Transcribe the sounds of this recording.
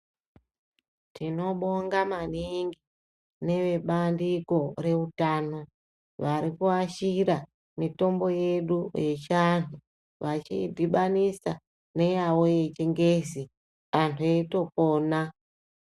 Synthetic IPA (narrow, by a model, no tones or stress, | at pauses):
tino̞ɓo̞ŋɡamaniŋɡi | ne̞ʋe̞ɓandiko̞re̞utaːno̞ | ʋaɾikuaʃiɾa | mito̞mbo̞je̞ɗuje̞t͡ʃantʰu | ʋat͡ʃiːdʱiɓanisa | ne̞jawo̞je̞t͡ʃeŋɡe̞zi | antʰueito̞po̞ːna